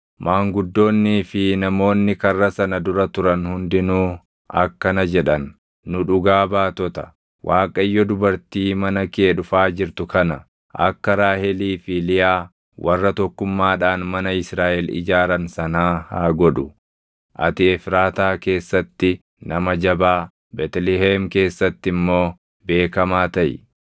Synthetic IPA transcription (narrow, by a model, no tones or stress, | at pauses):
mʔaːŋɡʊd̪ːo̞ːnːiːfɪnɐmo̞ːnːɪkɐrːɐsɐnɐd̪ʊɾɐt̪ʊɾɐnhʊnd̪ɪnuː | ʔɐ̰kːɐnɐd͡ʒɛᶑɐn | nʊᶑʊɡaːbaːt̪ɔt̪ɐ̥ | wʔaːkʼɐjːɔd̪ʊbɐɾt̪iːmɐnɐkeːᶑʊfaːd͡ʒɪɾt̪ʊkɐnɐ | ʔɐ̰kːɐɾaːhɛliːfilɪjaː | wʔɐrːɐt̪ɔkːʊmːaːᶑaːnmɐnɐɪsɾaːʔɛlɪ̰d͡ʒaːɾɐnsɐnaːhaːɡɔᶑʊ | ʔɐ̰t̪ɪɛfɾaːt̪aːke̞ːsːɐt̪ːɪ | nɐmɐd͡ʒɐbaː | bɛt̪lɪɦeːmke̞ːsːɐt̪ːɪmːo̞ː | be̞ːkɐmaːt̪ɐʔɪ̰